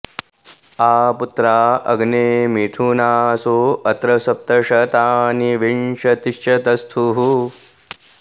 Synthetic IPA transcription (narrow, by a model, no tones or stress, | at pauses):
aːput̪ɾaːɐ̰ɡneːmiʈ̪ʰunaːsoːɐt̪ɾɐsɐp̚t̪ɐʃɐt̪aːniʋinʃɐt̪iʃt͡ʃɐt̪ɐst̪ʰuɦu